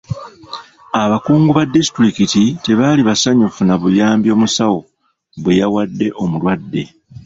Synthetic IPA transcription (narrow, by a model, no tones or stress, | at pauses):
aβakuːŋɡuβadːisi̥tuɾikitite̞βaliβasaɲufunaβujaːmbjo̞ːmusawo̞ | βwe̞jawadːe̞ʔo̞mulwadːe̞